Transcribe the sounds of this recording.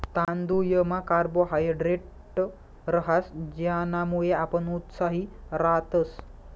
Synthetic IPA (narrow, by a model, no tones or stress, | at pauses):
t̪ãnd̪ujəmakaɾboɦajɖɾeʈ | ɾəɦasd͡ʑjanamuɭeapəɳut̪saɦiɾat̪əs